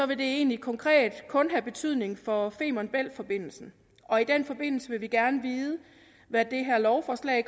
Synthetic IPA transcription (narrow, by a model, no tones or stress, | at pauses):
sɒ̽ʋe̝d̥e̝e̝̰ːnlikʰɒ̽ŋkʰʁɛ̰ːd̥kʰɔ̽nɦæb̥e̝t͡sʰyð̰ˠne̝ŋfɒ̽fe̝̰ːmɒnb̥el̰fɒ̽b̥e̝n̰l̩sn̩ | ʔɒ̽id̥en̰fɒ̽b̥e̝n̰l̩səʋe̝ʋiɡ̥æɐnəʋiːð̞ˠə | ʋæd̥e̝ɦæɐlɒʊfɒːslɛ̰ː